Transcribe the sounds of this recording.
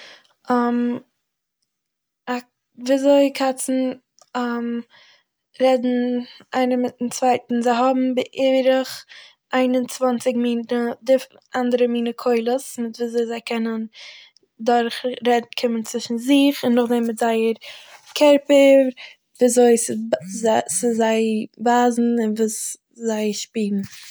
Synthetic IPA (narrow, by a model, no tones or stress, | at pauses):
ɔm | a | viːazoɪkʰat͡sn̩ | am | ɾɛdn̩ʔaɪnəmɪt̚n̩t͡svaɪtn̩zaɪɦɔbm̩bɪʔɪɾəχ | ʔaɪnʊnt͡svant͡sɪɡmiːnədɪf | ʔandəɾəmiːnəkʰoɪlˠəsmɪtviːzoɪzaɪkʰɛnən | dʊɾχɾɛdn̩kʰɪmənt͡svɪʃn̩zɪχɪnːʊχdɛmmɪtzaɪəɾkʰɛɾpə | vːzoɪsɪ | sɪzaɪbaːzn̩ɪnvuːs | zaɪʃpiːɾn̩